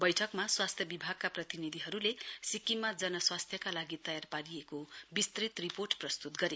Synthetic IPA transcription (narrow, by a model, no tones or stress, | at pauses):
bʌjʈʰʌkmaswast̪ʰjʌbibʱaɡ̚kaprʌt̪inid̪ʱiɦʌɾulesikimad͡zʌnʌswast̪ʰjʌkalaɡit̪ʌjarpaɾijekobist̪rit̪riporʈprʌst̪ut̪ɡʌɾe